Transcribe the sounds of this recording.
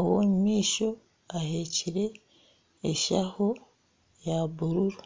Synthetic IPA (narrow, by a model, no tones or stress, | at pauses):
owommiːʃo̞ | aheciɾe̞ː | ʃaho | jabuɾuɾu